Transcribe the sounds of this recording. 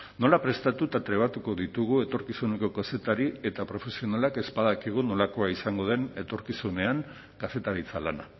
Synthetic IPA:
no̞lapɾe̞st̪at̪ut̪at̪ɾe̞β̞at̪uko̞ðit̪uɣ̞ue̞t̪o̞ɾkisune̞ko̞kase̞t̪aɾie̞t̪apɾo̞fe̞sio̞nalake̞spaðakiɣ̞uno̞lako̞aisaŋɡo̞ð̞e̞ne̞t̪o̞ɾkisune̞aŋ | kase̞t̪aɾit͡salana

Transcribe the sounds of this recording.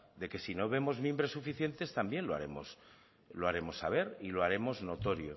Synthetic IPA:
d̪e̞ke̞sino̞βe̞mo̞zmĩmbɾe̞sːufiθje̞nt̪e̞st̪ambje̞nlo̞a̰ɾe̞̰mo̞̰s | lo̞aɾe̞mo̞sːaβ̞e̞ɾiloaɾe̞mo̞zno̞t̪o̞ɾjo

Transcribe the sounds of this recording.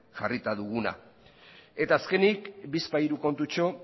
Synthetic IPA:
ʝarit̪aðuɣuna̰ | e̞t̪aːske̞nikbispajɾuko̞nt̪ut͡ʃo̞

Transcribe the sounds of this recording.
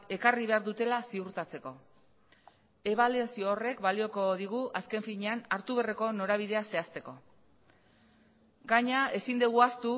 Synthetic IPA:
e̞kariβe̞aɾðut̪e̞lasiuɾt̪at͡se̞ko̞ | e̞β̞aliasioːre̞kbalio̞ko̞ð̞iɣ̞uʔaske̞ɱfiɲeanaɾt̪uβ̞e̞re̞ko̞no̞ɾaβið̞e̞ase̞ast̪e̞ko̞ | ɡaɲae̞sind̪eɣ̞uast̪u

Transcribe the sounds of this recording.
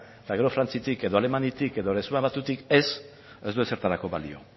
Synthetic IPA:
t̪aɣe̞ɾo̞fɾant͡sit̪ike̞ðo̞ale̞manit̪ike̞ðo̞ɾesuaβat̪ut̪ike̞s | e̞zd̪uese̞ɾt̪alako̞βalḭo̞̰

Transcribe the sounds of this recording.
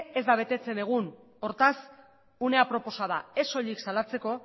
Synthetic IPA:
e̞zd̪aβ̞e̞t̪et͡se̞ne̞ɣ̞un | o̞ɾt̪as | une̞apɾo̞po̞saðae̞so̞ʎiksalat͡se̞ko̞

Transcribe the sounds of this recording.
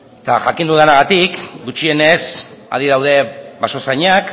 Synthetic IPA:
t̪a̰ʝakind̪uðanaɣat̪ikɡut͡ʃie̞ne̞sa̰ðiðawðe̞βaso̞sajɲak

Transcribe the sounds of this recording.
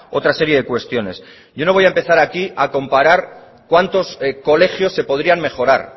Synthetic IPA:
o̞̰t̪ɾase̞ɾje̞ð̞e̞kwe̞st̪jo̞ne̞̰s | ɟ͡ʝo̞no̞β̞ojaempe̞θaɾakiako̞mpaɾaɾ | kwant̪o̞sko̞le̞xjo̞sːe̞po̞ð̞ɾiaŋme̞xo̞ɾa̰ɾ

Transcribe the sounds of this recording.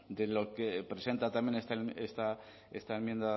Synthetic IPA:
d̪e̞lo̞kepɾe̞se̞nt̪at̪amje̞nest̪aest̪a | e̞̰st̪aemjẽ̞nd̪a

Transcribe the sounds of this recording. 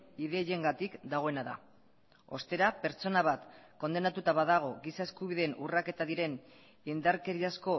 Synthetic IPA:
iðe̞je̞ŋɡat̪ikd̪aɣ̞o̞e̞naða̰ | o̞̰st̪e̞ɾape̞ɾt͡so̞naβ̞at̪ko̞nd̪e̞nat̪ut̪aβaðaɣ̞o̞ɣisaeskuβiðenurake̞t̪aðiɾe̞n | ind̪aɾke̞ɾiasko̞

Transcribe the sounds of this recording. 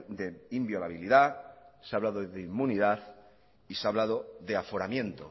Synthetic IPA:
d̪eimbjo̞laβ̞iliðaseaβlaðoðeimːuniðaθ | iseaβlaðoðeafo̞ɾamjẽ̞nt̪o

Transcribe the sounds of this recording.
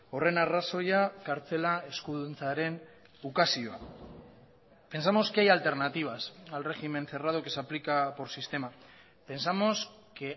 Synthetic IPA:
o̞re̞naraso̞jakaɾt͡se̞lae̞skuðunt͡saɾe̞n | ukasio̞a̰ | pe̞nsamo̞skeajalt̪e̞ɾnat̪iβ̞asalre̞xime̞nθe̞rað̞okesaplikapo̞ɾsist̪e̞ma | pe̞nsamo̞s | ke

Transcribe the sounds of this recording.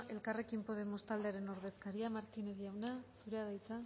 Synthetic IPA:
e̞lkare̞kimpo̞ð̞e̞mo̞st̪ald̪e̞aɾe̞no̞ɾð̞e̞skaɾiamaɾt̪ineðiawnasuɾe̞aðajt͡sa

